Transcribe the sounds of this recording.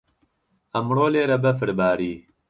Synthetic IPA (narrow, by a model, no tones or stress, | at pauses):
ɐmɽoːleːɾɐbɐfɪɾbaːɾiː